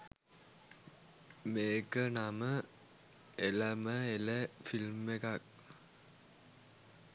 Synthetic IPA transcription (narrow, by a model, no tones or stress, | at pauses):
meːkənamə | eləməeləfilmekak̚